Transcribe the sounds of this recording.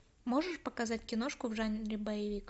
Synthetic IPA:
mo̞ʐɨʂpɐkɐzatʲkʲɪnoʂkʊvʐanʲɾʲɪbəjɪvʲik

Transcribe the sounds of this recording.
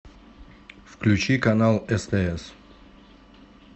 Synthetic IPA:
fklʲʉt͡ɕikɐnalˠɛst̪ɛɛs

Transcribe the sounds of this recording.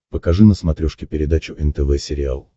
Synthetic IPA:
pəkɐʐɨnəsmɐt̪ɾʲɔʂkʲɪpʲɪɾʲɪd̪at͡ɕʊʔɛnt̪ɛvɛsʲɪɾʲɪa̰lˠ

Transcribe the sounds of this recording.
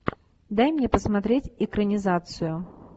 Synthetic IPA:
d̪ajmnʲɛpəsmat̪ɾʲet͡sʲɪkɾənʲɪzat̪sɨjʊ

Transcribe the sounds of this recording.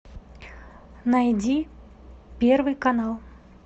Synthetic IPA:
najd͡zʲi | pʲɛrvɨkanalˠ

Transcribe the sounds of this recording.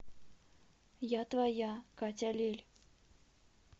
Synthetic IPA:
jat̪vajakat͡sʲalʲelʲ

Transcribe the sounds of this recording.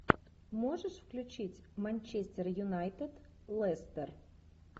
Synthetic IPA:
moʐəʂfklʲʉt͡ɕitʲmɐnʲt͡ɕesʲtʲɪrjʊnajt̪ɨd̪lˠɛst̪ɛr

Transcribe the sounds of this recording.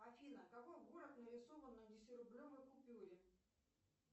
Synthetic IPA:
ɐfʲinəkɐkojɡuɾəknəɾʲɪsovənːədʲɪsʲɪɾʊblʲo̞vəjkʊpʲuɾʲɪ

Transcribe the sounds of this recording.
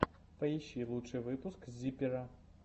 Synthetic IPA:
pɐjiɕilˠutt͡ʂɨvɨpuskzʲipʲiɾɐ

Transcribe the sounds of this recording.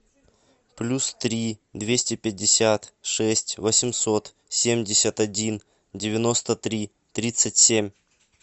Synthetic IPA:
plʲust̪ɾʲid̪vʲesʲtʲɪpʲɪdʲːɪsʲat̪ʂɛsʲtʲvəsʲɪmʲso̞t̪ | sʲemʲdʲɪsʲət̪ɐdʲin | dʲɪvʲɪno̞st̪ət̪ɾʲi | t̪ɾʲit̪sɨtʲsʲemʲ

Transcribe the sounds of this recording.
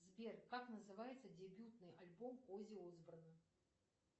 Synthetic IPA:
zbʲerkaknəzɨvajɪt̪sədʲɪbʲut̪nɨjɐlʲbompozʲɪozbɾənə

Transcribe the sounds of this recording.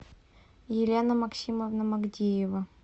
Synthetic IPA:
jɪlʲenəmɐksʲiməvnəmɐɡdʲejɪvə

